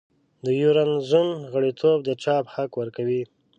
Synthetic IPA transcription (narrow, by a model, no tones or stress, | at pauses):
d̪əjuɾanzunɣəɽit̪ʰobd̪ət͡ʃɑphakwəɾkawi